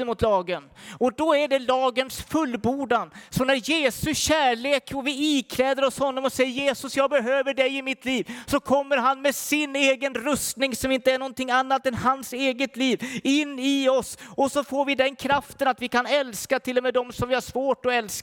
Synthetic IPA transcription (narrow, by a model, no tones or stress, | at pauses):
əmʊt̪lɑːɡənɔd̪ɔæɖɛlɑːɡənsfɵlːbuːɖansɔnæɾjeːsɵɕæːɭeːkɔvɪikʰlɛːd̪əɾɔshɔnːɔmɔsɛjːəɾjeːsɵsjɑːɡ̚bɛɦøːvəɖɛjɪmɪt̪ʰliːvsɔkʰɔmːəɾɦanmɛsɪneːɡənɾɵst̪nɪŋsɔmɪnt̪əæɳɔnt̪ʰɪŋːanːat̪ɛnhanseːɡət̪liːvɪnːɪɔsɔsɔfoːɾvɪd̪ɛnkʰɾaft̪ənat̪vɪkʰanɛlskat̪ʰɪlːɔmeːd̪ɔmsɔmvɪhaɾʂvoːʈɔɛlsk